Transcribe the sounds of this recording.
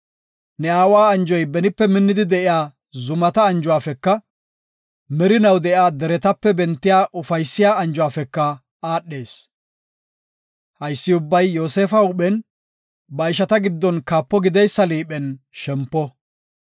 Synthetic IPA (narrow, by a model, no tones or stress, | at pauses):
nɛaːwaːɐnd͡ʒɔjbɛnɪpːɛmɪnːɪd̪ɪd̪ɛʔɪjaː | zʊmɐt̪ɐːnd͡ʒʊwaːfɛkːɐ | mɛɾɪnɐwd̪ɛʔɪaːd̪ɛɾɛt̪ɐpːɛbɛnt̪ːɪjaːʔʊfɐjsːɪjaːɐnd͡ʒʊwaːfɛkːɐ | aːɗːe̞ːs | hɐjsːɪʊbːɐjːoːseːfɐʊɓɛn | bɐɪʃɐt̪ɐɡɪd̪ːɔnkaːpːɔɡɪd̪ɛjsːɐliːɓɛn | ʃɛmpːɔ